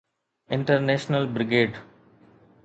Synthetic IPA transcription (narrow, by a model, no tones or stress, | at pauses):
ɪ̃ɳʈəɾneːʃnəlbɾɪɡeːɖ